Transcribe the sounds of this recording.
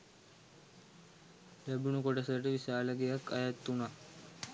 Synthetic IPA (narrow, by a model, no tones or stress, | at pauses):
læbunukoʈəsəʈəʋisaːləɡejakːajat̪ːuna